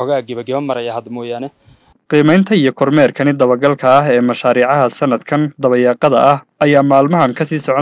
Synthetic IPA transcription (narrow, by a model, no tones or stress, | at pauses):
ɔɣaːɡɪβɐɡɪβɐmɐɾɐjɐhɐd̪mɔːjaːnɛ | qiːmɛjnt̪ʰɐijɞkʰɔrmɛːrkʰɐnɪd̪ɐβɐɡɐlkʰɐːɦɛːmɐʃaːɾiːʕɑɦɐsɐnɐd̪kʰɐnd̪ɐβɐjɑːqɑðɐʔɐhɐjaːmaːlmɐɦɐŋkʰɐsiːsɔʕɔ